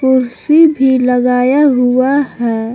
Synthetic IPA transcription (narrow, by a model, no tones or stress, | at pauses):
kʊɾsibʱiləɡaːjaɦʊahɛː